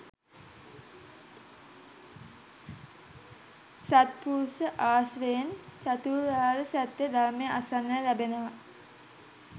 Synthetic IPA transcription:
sat̪̚puːsəʔaːsʋejnt͡ʃat̪uːɾaːləsæt̪ːed̪aɾmejəʔasanːəlæbenəʋa

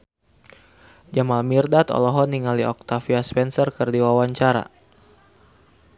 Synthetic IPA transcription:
d͡ʒamalmirdat̪ɔ̰lɔɦɔniŋaliɔk̚t̪afiaspɛnsɔrkərdiwawaɲt͡ʃaɾa̰

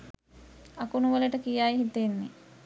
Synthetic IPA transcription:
akunuʋələʈəkijaːjiɦit̪enːi

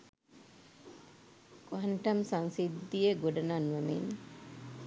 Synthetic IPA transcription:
kʋaɳʈɐmsaŋsid̪ːijeɡoɖɐnanʋɐmḛn

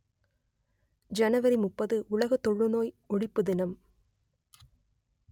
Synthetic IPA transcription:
d͡ʒɐnɐʋɐɾimʊpːɐðɯʔʊɭɐɣɐt̪ːɔɻːɯnoːj | ɔɽɪpːɯðɪnɐm

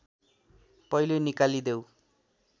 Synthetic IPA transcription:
pʌjlonikalid̪ew

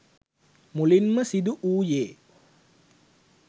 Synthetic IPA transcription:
mulinməsid̪uʔuːjeː

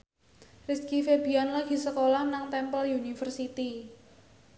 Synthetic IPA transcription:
riskifebi̤anlaɡ̥i̤səkolahnaŋt̪ɛmpəljunifərsit̪i

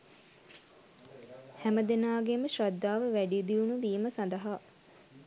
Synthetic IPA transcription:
hæməd̪enaːɡeməʃrɐd̪ːaːʋəʋæɖid̪iunuʋiːməsand̪ɐɦaː

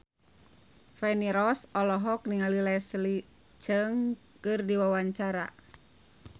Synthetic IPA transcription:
fɛniɾɔsɔlɔɦɔk̚niŋalilɛsli | t͡ʃəŋ | kɨrdiwawaɲt͡ʃaɾa̰

